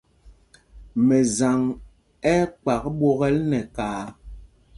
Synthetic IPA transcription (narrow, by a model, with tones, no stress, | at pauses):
mɛ˨za˨ŋ | ɛ˦k͡pa˨kɓo˦ɣɛ˦lnɛ˨kaː˨˦